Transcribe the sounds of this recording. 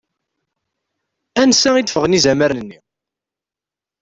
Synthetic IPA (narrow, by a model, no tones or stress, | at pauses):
ænsæid̪fəʁnizæməɾənənːi